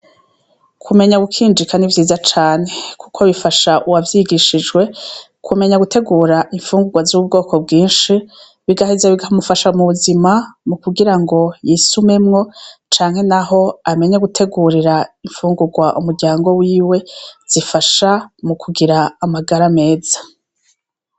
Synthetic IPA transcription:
kʰume̞ɲaɡukʰiːnd͡ʒikʰanivjiːzat͡ʃaːnekʰu̥kʰo̞βifaʃaʔuwavjiɡiʃid͡ʒɡwe̞ | kʰume̞ɲaɡutʰe̞ɡuːɾaʔiɱfuːŋɡuɡwazub̚ɡo̞ːkʰo̞bɡiːnʃi | βiɡahizeβiɡahomufaʃamuβuzimamukuɡiɾaŋɡo̞jisume̞mŋo̞t͡ʃaːŋhe̞naɦo̞ame̞ɲaɡutʰe̞ɡuːɾiɾaiɱfuːŋɡuɡwaʔṵmuɾɟaːŋɡo̞wiːwe̞z̥ifaʃamukʰuɡiɾaːmaɡaɾame̞ːz̥ḁ

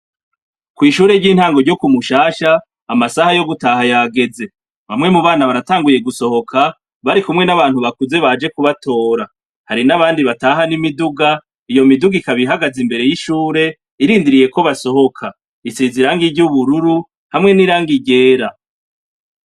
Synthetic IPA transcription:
kwiːʃuːɾe̞ɾɟiːn̥haːŋɡo̞ɾɟo̞kumuʃaːʃaː | masahajo̞ɡutaːɦajaɡe̞ze̞ | βamŋe̞muβaːnaβaɾataːŋɡuje̞ɡuso̞ho̞kʰa | βaɾikumŋenaβaːn̥huβakuze̞βad͡ʒe̞kuβato̞ːɾa | haɾinaβaːndiβataːɦanimiduɡa | ijo̞miduɡikaβiɦaɡazimbe̞ɾe̞jiʃuːɾe̞ | iɾiːndiɾije̞ko̞βaso̞ho̞kʰa | isiziɾaŋɡiɟuβuɾuɾu | hamŋe̞niɾaːŋɡiɟe̞ːɾa

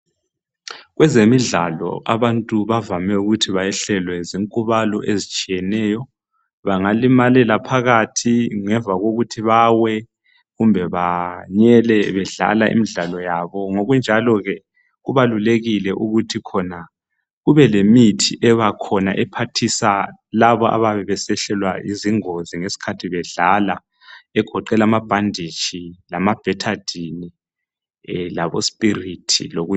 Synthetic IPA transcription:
ɣwɛzemiɮa̰lɔ̰ʔa̰βantʼuβavamɛuɣutʰiβajɛɬɛlwɛziŋkʼuβalɔ̰ʔezit͡ʃʼijɛnɛːjɔ | βaŋalimalɛlapʰaɣatʰiŋɛɱvʱaɣoɣutʰiβawɛ | ɣumbʱɛβaɲɛlɛβɛɮa̰laʔḭmiɮalɔjaβɔŋoɣund͡ʒʱalɔɣɛ | ɣuβaluleɣilɛʔuɣutʰikʰɔna | ɣuβɛlemitʰiʔɛβakʰɔna̰ʔɛpʰatʰisalaβɔʔa̰βaβɛβɛsɛɬɛlwaiziŋoziŋesi̥kʰatʰiβɛɮala | ɛɡ̥ʱɔǃɛlamab̥ʱandʱit͡ʃʰʼilamab̥ʱɛtʰad̥ʱini | laβo̰spʼiritʰḭloɣu

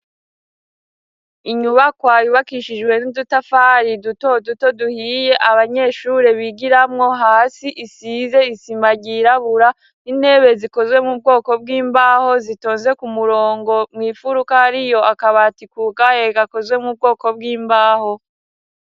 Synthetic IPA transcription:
iɲuβakwaːjuβakiʃid͡ʒɡwe̞nudutafaːɾiduto̞duto̞duhije̞ʔaβaɲe̞ːʃuːɾe̞βiɡiɾamŋo̞ɦaːsiʔisize̞isimaɟiɾaβuɾa | ine̞ːβe̞ziko̞zwe̞mub̚ɡo̞ːko̞b̚ɡiːmbaːho̞zito̞ːnze̞kumuɾo̞ːŋɡo̞mŋiːfuɾukaaɾijo̞ʔakaβatikukajeɡako̞zwe̞mub̚ɡo̞ːko̞b̚ɡiːmbaːho̞

